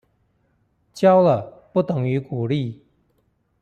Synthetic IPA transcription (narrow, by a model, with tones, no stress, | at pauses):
t͡ɕjɑ˥ʊlə˨pu˥˩t̪ə˨˩ŋy˧˥ku˨˩li˥˩˨